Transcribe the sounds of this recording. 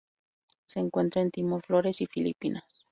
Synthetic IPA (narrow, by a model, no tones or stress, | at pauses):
seːŋkwe̞nt̪ɾaent̪imoɾflo̞ɾe̞sifilḭpinas